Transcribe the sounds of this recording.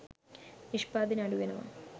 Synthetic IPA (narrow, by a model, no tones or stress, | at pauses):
niʂpaːd̪inɐɽuʋɐnɐma̰ːɳ